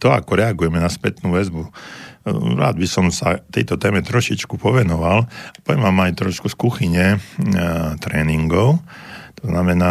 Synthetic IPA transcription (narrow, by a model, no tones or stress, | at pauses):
t̪ɔa̰kɔɾɛaɡujɛmɛnaspɛt̪nuːʋɛzbu | ɾa̰ːd̪bisɔmsa̰t̪ɛjt̪ɔt̪ɛːmɛt̪ɾɔʃit͡ʃkupɔʋɛnɔʋalpɔɛmamajt̪ɾɔʃkuskuxiɲɛ | t̪ɾɛːniŋɡɔʊ | t̪ɔznamɛnaː